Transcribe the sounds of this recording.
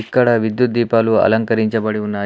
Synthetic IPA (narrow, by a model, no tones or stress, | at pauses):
ikːɐɽɐʋid̪jut̪̚d̪iːpaːluɐ̰lɐŋkɐɾiɲt͡ʃɐbɐɽiunːaː